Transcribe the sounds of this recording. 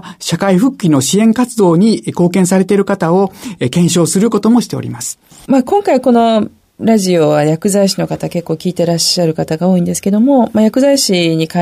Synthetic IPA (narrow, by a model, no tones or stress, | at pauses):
ɕakaiɸɯ̟kʲːino̞ɕiẽ̞ŋkat͡sɨd̪o̞ːɲ̟iko̞ːkẽsaɾe̞t̪eɾɯ̟kat̪ao̞kẽ̞ɕo̞ːsɨɾɯ̟ko̞t̪o̞mo̞ɕi̥t̪e̞oɾʲḭmasɨ̥ | maːkõ̞ŋkaiko̞no̞ | ɾaʑio̞βajakɯ̟zaiɕino̞kat̪ake̞kːo̞ːkʲiːt̪e̞ɾaɕːaɾɯ̟kat̪aɡao̞ːĩnd̪esɨ̥ke̞d̪omo̞majakɯ̟zaiɕiɲ̟ikã